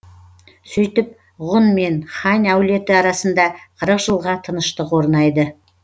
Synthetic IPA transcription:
sɵjt̪ɪp̚ | ʁʊnme̞nχɑnʲæwle̞t̪ɪɑɾɑsənd̪ɑqʰəɾəqʒəlˠʁɑt̪ʰənəʃt̪əqwo̞ɾnɑjd̪ə

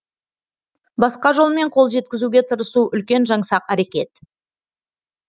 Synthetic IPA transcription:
bɑsqɑʒo̞lˠme̞ɴqʰo̞lˠʒe̞t̪̚kʲɪzuɡʲe̞t̪ʰəɾəsuʔʏlkʲe̞nʒɑɴsɑqæɾe̞kʲe̞t̪

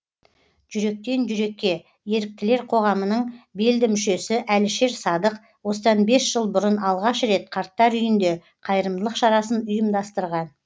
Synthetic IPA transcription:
ʒ̥ʏɾe̞k̚t̪e̞nʒʏɾe̞kʲːe̞ | je̞ɾɪk̚t̪ɪle̞ɾqʰo̞ʁɑmənəɴbe̞ld̪ɪmʏʃe̞sɪʔælʃe̞ɾsɑd̪əq | wo̞sət̪ɑnbe̞sʒ̥əlˠbʊɾənɑlˠʁɑʃɾe̞t̪qʰɑɾt̪ːɑɾʏjɪnd̪e̞ | qʰɑjɾəmd̪əlˠəqʃɑɾɑsənʊjəmd̪ɑst̪əɾʁɑn

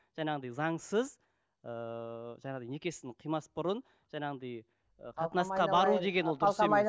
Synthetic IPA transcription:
ʒ̥ɑnɑʁənd̪ɑjzɑɴsəz | əʒɑɴɑʁd̪ɑjne̞kʲe̞sɪzd̪ɪqʰijmɑsbʊɾən | ʒ̥ɑɴɑʁənd̪ɑj | əqʰɑt̪ənɑsqɑbɑɾud̪e̞ɡʲenwod̪ʏɾˠse

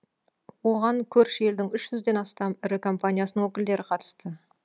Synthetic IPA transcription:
wo̞ʁɑŋkʲʰɵɾʃe̞ld̪ɪŋʏʃʒ̥ʏzd̪e̞nɑst̪ɑmɪɾɪkʰo̞mpanʲijasənəŋwɵkʲɪld̪e̞ɾɪqʰɑt̪ə̥st̪ə

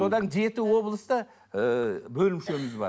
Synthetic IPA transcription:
so̞d̪ɑnd͡ʒe̞t̪ɪwo̞blˠəst̪ɑ | əbɵlɪmʃe̞mɪzbɑ̰ɾ

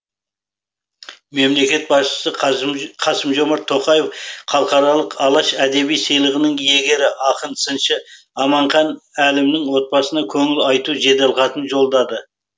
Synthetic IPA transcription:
me̞mle̞kʲe̞t̪̚bɑsʃə̥səqʰɑsəmʒo̞mɑɾt̪ʰːo̞qɑje̞fχʰɑlˠəqɑɾɑlˠəqɑlˠɑʃæd̪e̞bijsəjlˠəʁənəŋje̞ɡʲe̞ɾɪʔɑqənsənʃɪ | ɑmɑɴχɑnælɪmnɪŋwo̞t̪̚bɑsənɑkʲʰɵŋɪlɑjt̪uʒe̞d̪elˠqɑt̪ənʒo̞lˠd̪ɑd̪ə

